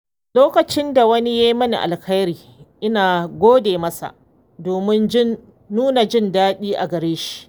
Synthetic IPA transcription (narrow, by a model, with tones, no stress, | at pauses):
loː˦kɐ˨t͡ʃɪ˦nda˨wɐ˦ni˦ja˦ji˦mɐ˦nḭ˨ʔa̰˨lkɐ˦jɾiː˨ | ʔɪ˦naː˨ɡʷoː˦deː˨mɐ˦sa̰˨ʔ | doː˨mɪ˦nɪː˦ | uː˦na˨d͡ʒɪ˦ndaː˦ɗiː˦ʔa˨ɡɐ˨ɾeː˦ʃi̥˦ʔ